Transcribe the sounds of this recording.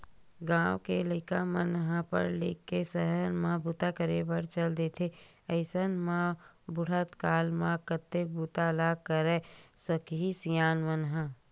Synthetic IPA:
ɡãːwkeleːkamənɦãpə̰ɾlḛkːesəɦəɾmãbut̪akəɾebəɾt͡ʃəld̪eːt̪ʰe | əɪsənmãbʊɽ̤ət̪kaːlmãkət̪ːek̚buːt̪alaːɡkəɾeːsəkɦisijaːnmənɦã

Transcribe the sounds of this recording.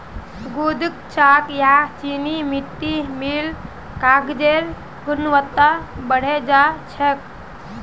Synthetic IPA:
sɡud̪ʱkt͡ʃakjat͡ʃinimiʈ̪ːimil | kaɡd̪eɾ | ɡunʋət̪ːabəɽ̤ed͡ʒat͡ʃʰek̚

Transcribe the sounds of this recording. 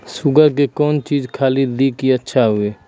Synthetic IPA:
sʊɡəɾk̬ekɔːnt͡ʃiːd͡ʒkʰaːlid̪ikiətːʃʰaɦʊeː

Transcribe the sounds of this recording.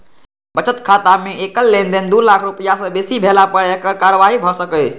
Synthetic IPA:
bət͡ʃət̪kʰaːt̪amẽeːkəlːẽːnd̪end̪uːlaːkʰɾʊpəjasəbesibʱeːlapəɽekəkaːɾəʋaːɦibʱɔsəkə

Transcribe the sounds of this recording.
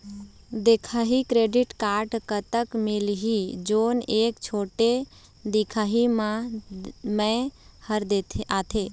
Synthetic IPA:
d̪ekʰaːɦikɾeːɖɪʈkaːɾʈkət̪əkmɪlɦid͡ʒoːneːkt͡ʃʰoːʈe | d̪ɪkʰaːɦimã | mẽhəɾd̪et̪ʰaːt̪ʰeː

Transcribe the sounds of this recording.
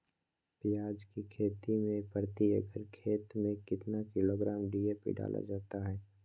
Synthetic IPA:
pɪjaːd͡ʒkikʰeːt̪imẽpəɾt̪iə̰ɡəɾkʰeːt̪mẽkɪt̪nakɪloːɡɾaːmɖiːeːpḛɖa̰ːlʔa̰d͡ʒaːt̪aɦɛː

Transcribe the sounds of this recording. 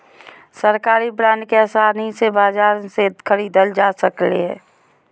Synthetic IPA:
səɾkaːɾibɾãːɳɖkeəsaːnisebaːd͡ʒaːɾsekʰəɾiːd̪əld͡ʒaːsəklḛɦɛ̰ː

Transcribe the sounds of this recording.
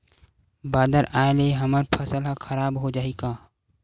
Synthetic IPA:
baːd̪əɾaːeleɦɐməɾpʰɐsəlɦxʰɐɾaːbɦod͡ʒaːeɡaː

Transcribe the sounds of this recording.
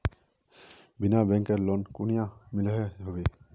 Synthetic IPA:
binabɛŋkɛɹlɔnkunijamiləɦɛɦobe

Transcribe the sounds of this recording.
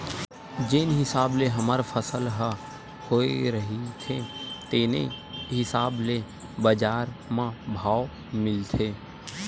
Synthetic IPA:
d͡ʒɪnɦɪsaːbleɦɐmaɾpʰəsəlɦə | hoːḛɾəɦit̪ʰet̪eːnḛɦɪsaːble | bəd͡ʒaːɾmãbʱaːo | mɪlt̪ʰeː

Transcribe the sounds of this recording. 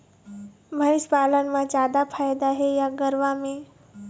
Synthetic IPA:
məiʃpaːlənmãt͡ʃaːd̪apʰajd̪aɦejaɡəɾʋamẽ

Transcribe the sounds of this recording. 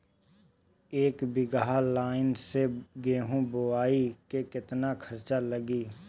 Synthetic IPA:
eːkbɪɡaɦalaːɪnseɡeːɦũboaːikekɪt̪nakʰəɾt͡ʃaləɡiː

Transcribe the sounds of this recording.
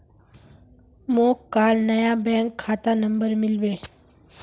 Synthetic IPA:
moːkːaːlnəjabɛ̃ːŋkʰːaːt̪anə̃mbəɾmɪlbeː

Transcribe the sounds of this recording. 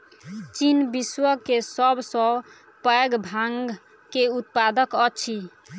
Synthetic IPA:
t͡ʃinbiswəkesəbsɔ̃ | pəɡbʱaŋɡɡ | keut̪̚pad̪əkət͡ʃʰi

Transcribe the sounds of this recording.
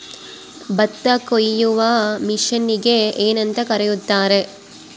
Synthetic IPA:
bɐt̪ːɐkojːuʋɐmiʂɐnːiɡe̞eːnɐnt̪ɐkɐɾejut̪ːaːɾe̞

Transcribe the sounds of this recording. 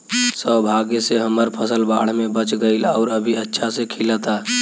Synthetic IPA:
səbʱaɡeseɦəməɾpʰəsəlbaɽ̤mebət͡ʃɡəɪlɔʊɾəbʱiətːʃʰasekʰilət̪a

